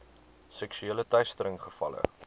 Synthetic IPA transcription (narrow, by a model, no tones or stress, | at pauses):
sɛksyeːlətœɥstəɾəŋχəfɐ̰lə̰